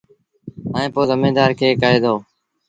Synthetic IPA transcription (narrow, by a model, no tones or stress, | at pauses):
aːẽːpoːzəmẽːd̪aːɾkʰeːkəːeːd̪oː